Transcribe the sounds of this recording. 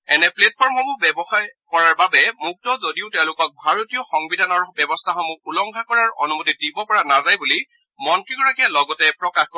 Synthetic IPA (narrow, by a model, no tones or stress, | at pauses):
ɛnɛplet̚pʰɔɹmhɔmubɛbɔxajkɔɹaɹbabɛmuk̚tɔzodiʊtɛʊ̃lʊkɔk̚bʱaɹotijɔxɔŋbidʱanɔɹbɛbɔstʰaxɔmuulɔŋkʰakɔɹaɹo̰numotidibɔpɔɹanazajbuli | mɔntɹiɡɔɹakɛlɔɡɔtɛpɹɔkaxkɔ